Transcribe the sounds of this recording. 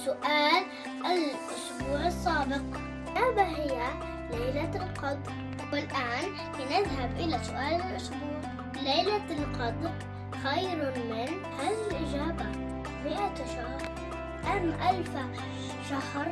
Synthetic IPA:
sʊʔaːl | ʔɪlʔʊʃbuːʕɑsˤːaːbɪq | ʔaːbaɦɪjːa | lajlalqɑd̪ˤɾ | wɪlʔaːn | ɪnɪðɦabʔɪlasʊʔaːlɪlʔʊʃbuːʕ | lajlalqɑd̪ˤɾ | xajɾmɪn | haːðiɪlʔɪd͡ʒaːba | mɪʔat̪ʃahɾˤ | ʔamːʔalfa | ʃahɾ

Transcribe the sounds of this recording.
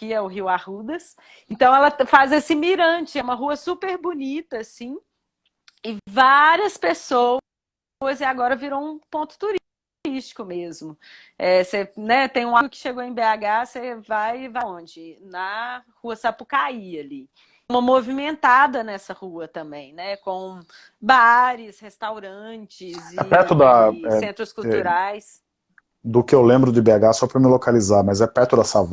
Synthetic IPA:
kɪɛʊɦiwahud̪ɐs | ẽnt̪ɐ̃w̃ɛlɐfazesɪmiɾɐ̃t͡ʃɪɛũmɐɦuɐsupeɾbunit̪ɐasĩ | ɪvaɾiɐspeso | ɐzɪaɡɔɾɐviɾowũpõnt̪ʊ̥t̪uɾ | ɾiʃt͡ʃi̥kʊmezmʊ | ɛsenɛt̪ẽj̃ũakɪ̥ʃeɡowẽj̃beaɡasevajvaõd͡ʒɪnɐhuɐsapʊkaiɐli | mɐmovimẽnt̪ad̪ɐnɛsɐhuɐt̪ɐ̃mbẽj̃nɛkõ | baɾɪshest̪awɾɐ̃t͡ʃɪzɛ̰pɛɾt̪ʊd̪ɐɛsẽnt̪ɾʊskuw̪uɾajs | d̪ʊkɪewlẽmbɾʊd͡ʒɪbeaɡasɔpɾɐmɪlokalizaɾmɐzɛpɛɾt̪ʊd̪ɐsav

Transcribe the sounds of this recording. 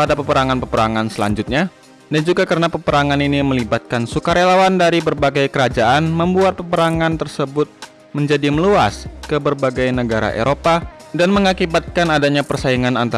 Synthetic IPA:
padapəpəɾaŋanpəpəɾaŋansəla̰ɲd͡ʒʊt̪̚ɲa | dand͡ʒuɡakəɾənapəpəɾaŋaniniməlibat̪̚kansukaɾelawandaɾibərbaɡajkəɾad͡ʒaʔanməmbuat̪̚pəpəɾaŋant̪ərsəbʊt̪̚ | məɲd͡ʒadiməlua̰skəbərbaɡajnəɡaɾa̰ʔḛɾʔopa | danməŋakibat̪̚kanadaɲapərsaiŋanant̪a

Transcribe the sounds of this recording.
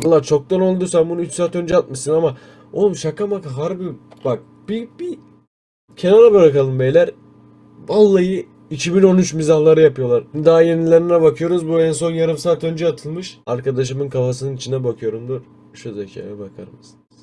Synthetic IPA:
alˠːaːt͡ʃʰo̞k̚d̪anolˠd̪usambunuyt͡ʃsaːt̪ø̞nd͡ʒɛat̪̚mɯʃsɯnama | omʃakamakaɦaɾbibak̚ | b̥ibi | cʰe̞naɾabɯɾakalˠɯmbejlʲæɾ | valˠːajɯ | icʰibino̞nyt͡ʃmizahlˠaɾɯjapɯjo̞lˠaɾd̪aːjenilʲeɾinɛbakʰɯjo̞ɾuzbuɛns̬o̞njaɾɯmsaːt̪ø̞nd͡ʒɛat̪ʰɯlˠmɯʃaɾkʰad̪aʃ̬ɯmɯnkʰafasɯnɯnit͡ʃʰind̪ɛbakʰɯjo̞ɾumd̪uɾ | ʃuzecʰa̰ːjɛbakʰa̰ɾmɯsɯnɯz̥

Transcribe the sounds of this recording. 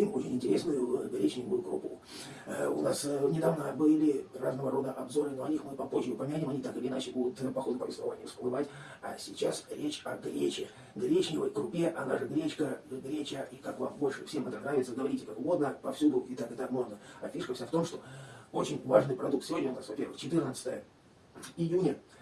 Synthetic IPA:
imo̞t͡ɕɪnʲɪnʲtʲɪɾʲesnəjʊɡɾʲet͡ɕnʲɪvʊjʊkɾʊ̰pṵ | ʊ̰nasvnʲɪd̪avnəbɨlʲɪraznəvəɾo̞d̪əʔɐbzo̞ɾɨnoɐnʲixmɨpɐpo̞ʑʲɪʊpɐmʲɪnʲanʲɪmɐnʲit̪akɨlʲɪɪnat͡ɕɪbud̪ʊt̪pɐxo̞d̪ʊpəvʲɪst̪vɐ̰va̰nʲɪvəspəlˠɨvatʲ | ɐ̰sʲɪt͡ɕasɾʲet͡ɕɐɡɾʲet͡ɕɪ | ɡɾʲet͡ɕnʲɪvə̰jkrʊpʲeʔɐna̰ʐɨɡɾʲet͡ɕkəɡɾʲet͡ɕəikakva̰mbo̞lʲʂɨfsʲemɛt̪ənravʲɪt̪səɡ̪əvɐɾʲitʲɪkakʊɡo̞d̪nəpɐfsʲud̪ʊʔɪt̪akɨt̪akmoɡ̪əɐfʲiʂkəfsʲaft̪o̞mʂt̪o̞o̞t͡ɕɪnʲvaʐnɨjpɾɐd̪uk̚t̪sʲɪvo̞dʲnʲəʊnasvɐpʲe̞rʋɨxt͡ɕɪt̪ɨrnət̪sə̥t̪ə̰jə | ɪjunʲə

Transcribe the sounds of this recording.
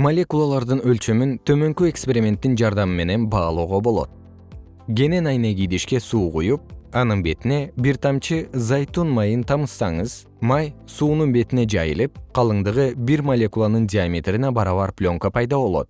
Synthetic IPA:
molʲe̞kulˠalˠɑɾd̪ɯnø̞lt͡ʃømynt̪ʰø̞mø̞ŋkye̞kspʲe̞ɾʲimʲe̞nt̪ːind͡ʒɑɾd̪ɑmɯme̞ne̞nbɑːlˠoːʁo̞bo̞lˠo̞̰t̪̚ | ɡʲe̞ne̞nɑjneɡʲijd̪iʃke̞suːqujup̚ɑnɯnbe̞t̪ine̞biɾt̪ɑmt͡ʃizɑjt̪unmɑjɯnt̪ʰɑmɯsːɑɴɯz̥ | mɑjsuːnunbe̞t̪ine̞d͡ʒɑjɯlˠɯp̚qʰɑlˠɯɴd̪ɯʁɯbiɾmolʲe̞kulˠanɯndʲiamʲet̪rinebɑɾɑβɑɾpʲlʲo̞ŋkopʰɑjd̪ɑβo̞lˠo̞̰t̪̚

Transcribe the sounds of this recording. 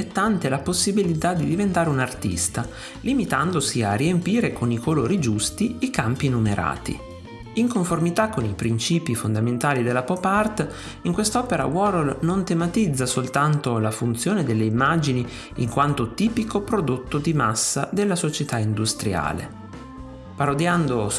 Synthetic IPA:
ɛt̪ːant̪elaposːibilit̪ad̪ːid̪ivent̪aːɾeunart̪ḭst̪a | limit̪and̪osiariempiːɾekʰonikʰoloːɾid͡ʒust̪iikampinumeɾʔa̰ːt̪ḭ | iŋkoɱformit̪akːonipɾint͡ʃiːpifond̪ament̪aːlid̪elːapɔpart̪ | iŋkwest̪ɔːpeɾa̰wɔɾlnont̪emat̪id̪zːasolt̪ant̪olafunt̪sjoːned̪elːeimːad͡ʒini | iŋkwant̪ot̪iːpikopɾod̪ot̪ːod̪imasːad̪elːasot͡ʃet̪aind̪ust̪ɾja̰ːlḛ | paɾod̪jand̪o

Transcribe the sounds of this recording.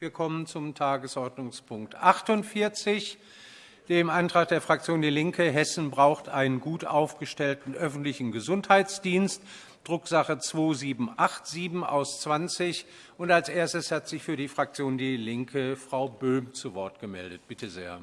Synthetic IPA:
viːɐkʰɔmənt͡sʊmtʰaːɡəsʔɔɐdnʊŋspʰʊŋk̚tʔaχtʊntfɪɐt͡sɪç | d̥eːmʔaɪntʁ̥aːk̚d̥eːɐfʁ̥ak̚t͡sjoːndiːlɪŋkʰəɦɛsn̩bʁaʊxtʔaɪnənɡuːtʔa̰ʊfɡ̥əʃtɛltn̩ʔœfn̩tlɪçn̩ɡəzʊnthaɪt͡sd̥iːnst | d̥ʁʊkz̥aχət͡sv̥oːziːbm̩ʔaχtz̥iːbm̩ʔa̰ʊst͡sv̥ant͡sɪç | ʔʊntalsʔeːɐstəshatz̥ɪçfyːɐdiːfʁ̥ak̚t͡sjoːndiːlɪŋkʰəfʁ̥aʊbøːmt͡suvɔɐtɡ̥əmɛ̰ldət̚b̥ɪtəzḛːɐ

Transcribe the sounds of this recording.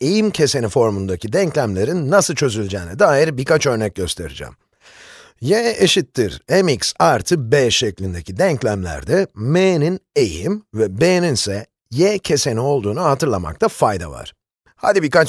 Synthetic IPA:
ejimcʰe̞se̞nifo̞ɾmund̪acʰid̪ɛɲclʲæmlʲe̞ɾinːasɯlˠt͡ʃʰø̞zylʲd͡ʒɛːnɛd̪aːjiɾbiɾkat͡ʃø̞ɾnɛc̚ɟø̞st̪ʰe̞ɾḭd͡ʒɛ̰m | jɛeʃit̪ːiɾemiksaɾt̪ʰɯbɛːʃɛclʲind̪e̞cʰid̪ɛɲclʲæmlʲæ̰ɾd̪ɛmeninejimvɛbeeninsɛ | jɛcʰe̞se̞nio̞lˠd̪uːnuhat̪ʰɯɾlˠama̰k̚t̪ʰafajd̪a̰va̰ɾ̥ | ha̰d̪ibiɾkat͡ʃ

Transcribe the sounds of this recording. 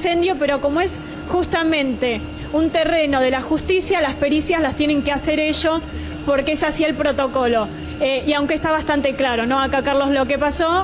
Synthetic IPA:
se̞nd̪jo̞peɾo̞ko̞moe̞s | xust̪amẽ̞nt̪e̞ | unt̪ere̞no̞ð̞e̞lasxust̪isjaslaspe̞ɾisjaslast̪je̞ne̞ŋkease̞ɾe̞ʒos | po̞ɾkeesasie̞lpɾo̞t̪o̞ko̞lo̞ | eiawŋkest̪aβast̪ant̪e̞klaɾo̞no̞akakaɾlo̞slokepaso̞

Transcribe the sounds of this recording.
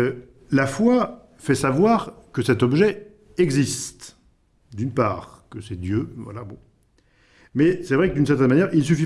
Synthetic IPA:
lafwa | fɛsavwaʁkəsɛt̪ɔbʒɛ | ɛɡzist̪ | d̪ynpa̰ːʁkəsɛd̪jøvwa̰labɔ̃ | mɛsɛvʁɛkəd̪yns̬ɛʁt̪ɛnmanjɛʁils̬yfi

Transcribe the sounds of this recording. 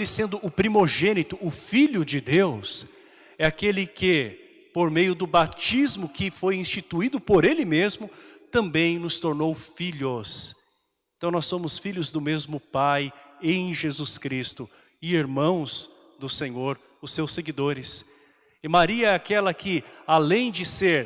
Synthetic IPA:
lɪsẽnd̪ʊʔʊpɾimoʒẽnit̪ʊʊfiʎʊd͡ʒɪd̪ews | ɛakelɪkɪ | poɾmejʊd̪ʊbat͡ʃizmʊkɪfojĩst͡ʃit̪uid̪ʊpoɾelɪmezmʊt̪ɐ̃mbẽj̃nʊst̪oɾnowfiʎʊs | eẽt̪ɐ̃w̃nɔsõmʊsfiʎʊzd̪ʊmezmʊpajẽj̃ʒezuskɾist̪ʊ | ɪiɾmɐ̃w̃z | d̪ʊsẽɲoɾ | ʊsewsːeɡid̪oɾɪs | ɪmaɾiɐɛakɛlɐkʰɪalẽj̃d͡ʒɪseɾ

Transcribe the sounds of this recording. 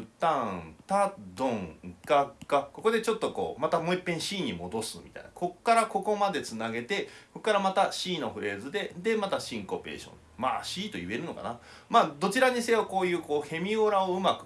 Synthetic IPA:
ɯ̟t̪ãt̪ad̪õŋkakːako̞ko̞d̪e̞t͡ɕo̞t̪ːo̞ko̞̰ːmat̪amo̞ipːẽ̞ɰ̃ɕiːɲ̟imo̞d̪o̞sɨmʲi̥̰t̪a̰j̰nako̞kːaɾako̞ko̞mad̪e̞t͡sɨnaɡe̞t̪e̞ko̞kːaɾamat̪aɕiːno̞ɸɯ̟ɾe̞ːzɨd̪e̞d̪e̞mat̪aɕĩŋko̞pe̞̰ːɕõ̰n | ma̰ɕiːt̪o̞jɯ̟e̞ɾɯ̟no̞̰ka̰na | maːd̪o̞t͡ɕiɾaɲ̟ise̞oko̞ːjɯ̟ːko̞ːhe̞mʲioɾao̞ɯ̟makɯ̥̟

